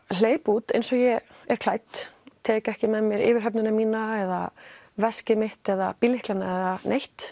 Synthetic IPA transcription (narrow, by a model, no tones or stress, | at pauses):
l̥eːjput̪ḛjnsɔjɛ | ɛɾ̥kʰl̥aːjt̪t̪ʰːɛːkɛhcɪmɛmjɛɾɪ̰ːvɪɾ̥ɦœp̬nʏnamiːnaɛða̰ | vɛscɪmɪht̪ɛðapiːlɪhklanaɛðanʔejht̪